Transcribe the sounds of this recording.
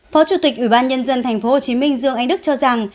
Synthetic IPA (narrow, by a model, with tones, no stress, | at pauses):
fɔ˨˦t͡ɕu˧˩t̪i˨˩k̚ʔwi˧˩ɓaː˧nɲə˧nzə˧nt̪ʰjŋ̟fo˨˦ho˨˩t͡ɕi˨˦mï˧ŋ̟zɨ˧əŋʔa˧ŋ̟ɗɨ˦˥k̚t͡ɕɔ˧za˨˩ŋ